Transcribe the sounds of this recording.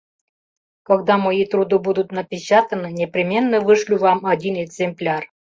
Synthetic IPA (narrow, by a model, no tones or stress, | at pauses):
kɑɡd̪ɑmojit̪ɾud̪ɨbud̪ut̪nɐpʲɪt͡ɕat̪ənɨnʲepɾʲimʲenːəvɨʂlʲuvɑmɑdʲineɡzʲemplʲar